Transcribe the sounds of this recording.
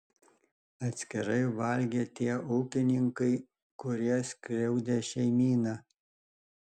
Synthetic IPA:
ɐt̪ʲsʲkʲɪɾɐɪʋɐlʲɡʲeːt̪ʲiɛɔʊkʲɪnʲɪŋkɐɪ | kʊɾʲiɛsʲkʲɾʲɛʊd̪ʲeʃʲɛɪmʲiːnɑː

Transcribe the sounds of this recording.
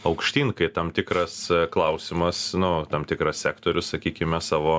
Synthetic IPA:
ɐʊkʃʲt̪ʲiːŋkɐɪt̪ɐmt̪ʲɪkɾɐsklˠɐʊsʲɪmɐsnʊt̪ɐmt̪ʲɪkɾɐssʲæːkt̪oːɾʲʊssɐkʲiːkʲɪmʲɛsɑːʋoː

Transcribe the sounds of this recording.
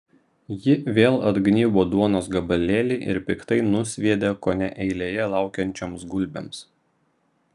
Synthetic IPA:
jɪʋʲeːlˠɐd̪ɡnʲiːboːd̪uɔnoːsɡɐbɐlʲeːlʲeɪʔɪ̰ɾpʲɪkt̪ɐɪnʊsʲʋʲiɛd̪ʲeːkoːnʲɛʔɛɪlʲeːjɛlˠɑˑʊkʲɛnʲt͡ʃʲoːmsɡʊlʲbʲḛms

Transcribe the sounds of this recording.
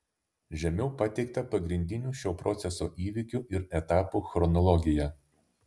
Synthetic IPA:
ʒʲɛmʲɛʊpɐt̪ʲɛɪkt̪ɐpɐɡɾʲɪnʲd̪ʲɪnʲuːʃʲoːpɾʔɔt̪sʲɛso̰ːʔiːʋʲɪkʲuːˑʔɪɾɛt̪ɑːpuːxɾɔnɔlˠɔɡʲɪjɛ

